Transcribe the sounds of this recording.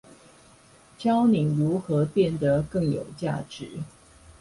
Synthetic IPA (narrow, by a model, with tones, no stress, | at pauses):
t͡ɕʰjɑ˥ʊni˨˩ŋɻu˧˥xɤ˧˥pjɛ˥˩nd̪ə˩kɤ˥˩ŋjo̰˨˩ʊt͡ɕja̰˥˩ʈ͡ʂɻ̩˨˦